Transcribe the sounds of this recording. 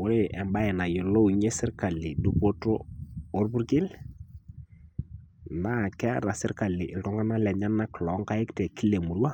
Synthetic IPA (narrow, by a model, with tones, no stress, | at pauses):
wʊ˦ɾe˦˨ʔɛ˨mba˦ɛ˨na˨jɪ˨lo˦˨ɲe˦sɪ˦ɾka˨lːɪ˨du˦po˦to˦o˦ɾbu˦ɾkɪ˦l | na˦˨kɛ˦ɾa˨sɪ˦ɾka˨lːɪ˨ʔɪ˨ltɔ˦ŋɡa˦na˦lɛ˨ɲa˦nːa˦klɔ˨˦ŋka˦ɪ˦ktɛ˨ki˦le˨mu˨ɾwa˦˨